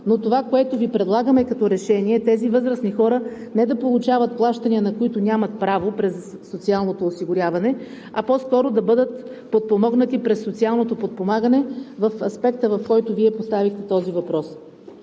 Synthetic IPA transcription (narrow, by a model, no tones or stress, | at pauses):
not̪ovakoɛt̪ovipɾɛd̪lˠaɡəmɛkɐt̪ɔɾɛʃɛniɛt̪ɛzivɤzɾəsnixɔɾənɛd̪ɐpolˠut͡ʃavət̪̚plˠaʃt̪əniənɐkoit̪ʊnʲamɐt̪̚pɾavopɾɛsːot̪sialˠnot̪oːsiɡʊɾʲjavɐnɛ | ɐpɔskɔɾod̪ɐbɤd̪ət̪ | pot̪̚pomɔɡnət̪ipɾɛsːot̪sialˠnot̪opot̪̚pomaɡənɛvɐfɐspɛk̚t̪əvɐfkɔjt̪oviɛpost̪avixt̪ɛt̪ɔzivɐpɾɔs